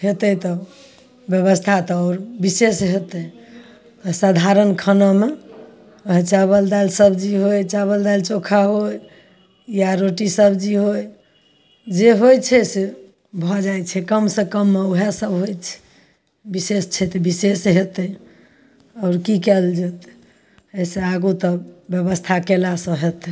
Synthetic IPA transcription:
ɦet̪ət̪ɔ | bjəβəst̪ʰat̪ɔɾbisesɦet̪ɛ | sad̪ʱaɾənkʰənɔme | ɦet͡ʃabəld̪alsəbd͡ʒiɦojt͡ʃaβəld̪alt͡ʃokʰaɦoj | jaɾoʈisəbd͡ʒiɦoj | d͡ʒeɦojt͡ʃʰɛse | bʱɔd͡ʒajt͡ʃʰɛkəmsə̃kəmːeoɦesəbɦojt͡ʃʰɛ̥ | bisest͡ʃʰɛt̪bisesɦet̪ɛ | ɔʊɾkikɛld͡ʒet̪ | eseaɡut̪ɔbjəβəst̪ʰakelasə̃ɦet̪

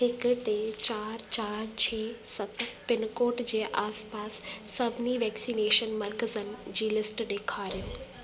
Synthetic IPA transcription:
ɦɪkʈet͡ɕaːɾt͡ɕaːɾt͡ɕʰeːsɐt̪ʰpɪnkoːʈd͡ʑeːʔaːspaːsːɐbʱɪniʋɛːksiːneːʃənmɐɾkəzənɪ̆d͡ʑiːlɪsʈɗeːkʰaːɾijõː

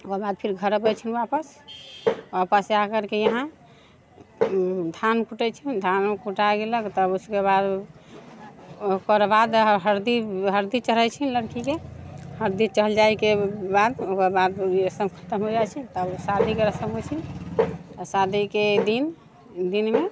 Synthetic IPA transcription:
okəbad̪̚pʰiɾɡʱəɾəbəjt͡ʃʰinapəs | bapəsakəɾkejəɦã | d̪ʱankuʈɛt͡ʃʰind̪ʱankuʈajɡeləkt̪əbuskebad̪ | kəɾbad̪ɦəɾd̪iɦəɾd̪it͡ʃələt͡ʃʰinləɾkikehəɾd̪it͡ʃəɦəld͡ʒajkebad̪okəɾbad̪ɾəsəmkʰə̥t̪əmɦod͡ʒajt͡ʃʰɛt̪əbsad̪ʱikeɾəsəmɦot͡ʃʰin | sad̪ʱiked̪in | d̪inme

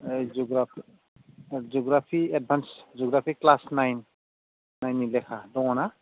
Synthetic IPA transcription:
ed͡ʒuɡɾapʰi | d͡ʒoɡɾapʰied̚bʱansd͡ʒoɡɾapʰiklasnajnː | ajnilɛkʰadɔwɔna

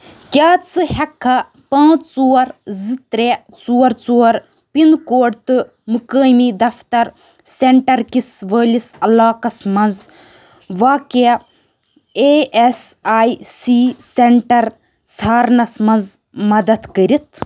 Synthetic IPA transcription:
kʲaːt͡sɨhɛkʰːɐ | pãːt͡st͡suːɐɾzit̪ɾe | t͡suːɐɾt͡suːɐɾ | pind̪koːɖt̪ɨ | mɨkəːjmid̪ɐft̪ɐɾ | seɳʈɐɾkisʋəːlisɐlaːkɐsmɐnz | ʋaːke | eesaːjsiːseɳʈɐɾ | sʰaːɾnɐsmɐnz | mɐd̪ɐt̪kəɾit̪ʰ

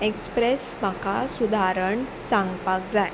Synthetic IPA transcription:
ekspɾesm̤akasud̪ʱaɾəɳ | sãŋɡpakd͡zaj

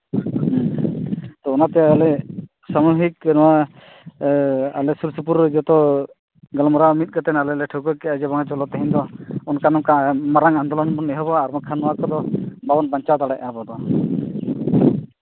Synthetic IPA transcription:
t̪ɔunat̪ɛalɛ | samuɦiknɔwa | alɛsuɾsup̬uɾd͡ʒɔt̪ɔ | ɡalɔmɔɾamit̪̚ɡɔt̪ɛnalɛlɛʈʰɔwkɔkɛad͡ʒɛbɔŋat͡ʃɔlɔt̪ɛɦĩnd̪ɔɔnkanɔkamɔɾaŋand̪ɔlɔnbɔnːɛɦɔbɔaɾmɔkʰːanɔwakɔd̪ɔbabɔnbaɲt͡ʃat̪aɽɛʔabɔd̪ɔ

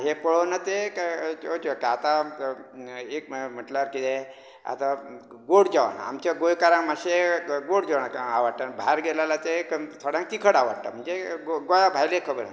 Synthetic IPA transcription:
ɦepəɭonət̪ekot͡ʃokaat̪a | ekm̤əʈlaɾkit̪e | a̰t̪a | ɡoɽd͡ʑaʋaɳa̰mt͡ɕaɡojkaɾãŋmaɕeɡoɽd͡ʑaʋnkaʋaɽʈ̪anbaɦaɾɡelalat̪ekənt̪ʰəɽjãŋk̚t̪ikʰəɽaʋaɽt̪a̰m̤əɳd͡zeɡɡojabʱajlekʰəbəɾa̰n

